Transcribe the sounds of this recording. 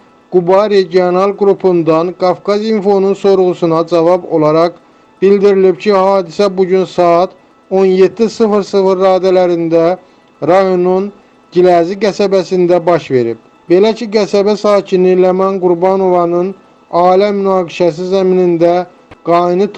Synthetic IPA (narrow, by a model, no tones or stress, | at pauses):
ɡ̥ubɑɾeɟio̞nɑlˠɡɾupʰund̪ɑnɡɑfkɑzinfo̞nunso̞ɾʁusunɑd͡ʒɑvɑbo̞lˠɑɾɑʁ | b̥ild̪iɾilibcʰihɑːd̪isæbuɟynsɑɑt̪ʰ | o̞nje̞t̪ʰːisɯfɾsɯfɾːɑːd̪ælæɾind̪æ | ɾɑjo̞nun | ɟilæziɡæsæbæsind̪æbɑʃve̞ɾib̚ | be̞læcʰiɡæsæbæsɑːcʰinilemɑnɡuɾbɑno̞vɑnɯn | ɑːilæmynɑːɡiʃæs̬izæminind̪æ | ɡ̥ɑinɯt̪